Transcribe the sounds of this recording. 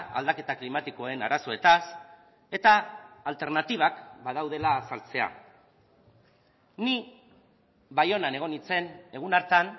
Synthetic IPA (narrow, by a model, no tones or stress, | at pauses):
a̰ld̪ake̞t̪aklimat̪iko̞e̞naɾaso̞e̞t̪as | e̞t̪aːlt̪e̞ɾnat̪iβ̞akbaðawð̞e̞laːsalt͡se̞a̰ | ni | βajo̞nane̞ɣ̞o̞nit͡se̞ne̞ɣ̞unaɾt̪an